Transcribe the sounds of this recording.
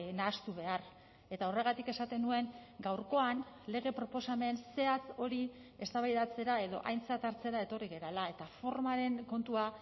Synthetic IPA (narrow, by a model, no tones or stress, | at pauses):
naːst̪uβe̞ar | e̞t̪ao̞re̞ɣ̞at̪ike̞sat̪e̞nue̞ŋɡawɾko̞anle̞ɣ̞e̞pɾo̞po̞same̞nse̞at͡so̞ɾi | e̞st̪aβajðat͡se̞ɾae̞ðo̞̰ʔajnt͡sat̪aɾt͡se̞ɾae̞t̪o̞riɣe̞ɾalae̞t̪afo̞ɾmaɾe̞ŋko̞nt̪ua